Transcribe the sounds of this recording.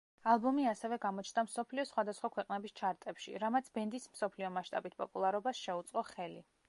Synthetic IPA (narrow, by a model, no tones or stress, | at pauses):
alˠbɔmiasɛvɛɡamɔt͡ʃʰnamsɔpʰliɔsχwad̪asχwakʰwɛqʼnɛbist͡ʃʰaɾt̪ʼɛpʃḭɾamat̪sʰbɛnd̪ism̩sɔpʰliɔmaʃt̪ʼabit̪̚ʰpʼɔpʼulˠaɾɔbasʃɛut̪sʼqʼɔχɛlḭ